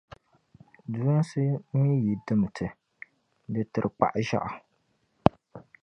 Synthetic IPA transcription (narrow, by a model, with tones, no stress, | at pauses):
du˦a˦n˦sɨ˦mi˦ji˨dɨ˦m˨tʰɨ˨ | dɨ˨tɨ˨ɾɨ˨k͡pa̰˨ʔʒa̰˦ʔa˨